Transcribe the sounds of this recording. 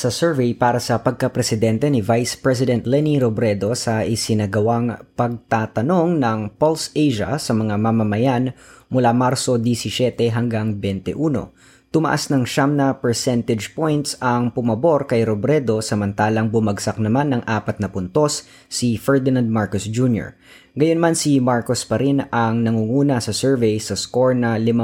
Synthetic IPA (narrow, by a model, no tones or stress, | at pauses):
sɐsɛɹvejpaːɾɐsɐpɐɡ̚kɐpɾɛsɪd̪ɛnt̪ɛnɪvajspɹɛs̬ɪd̪ɛnt̪lɛniɾobɾɛd̪o̞sɐʔɪsɪnɐɡɐwaŋpɐɡ̚t̪aːt̪ɐno̞ŋnɐŋpolsejʒɐ̰sɐmɐŋamamɐmɐjanmʊlamaɾso̞d̪isisɛt̪ɛɦɐŋɡaŋbɛnt̪ɛ̰ʔuːno̞̰ | t̪ʊmɐ̰ʔa̰snɐŋʃamnɐpɛɹsɛnt̪ɛd͡ʒpojnt̪sɐŋpʊmɐbo̞ɾkɐjɾobɾɛd̪o̞sɐmɐnt̪aːlɐŋbʊmɐɡsɐk̚nɐmanːɐŋʔaːpɐt̪̚nɐpʊnt̪o̞sː | ifɛɹd̪ɪnand̪̚maɹkosd͡ʒunjo̰ɹ | ɡɐjonmansimaɹkospɐɾinɐŋnɐŋuŋuːnɐsɐsɛɹvɛjsɐsko̞ɹnɐlɪma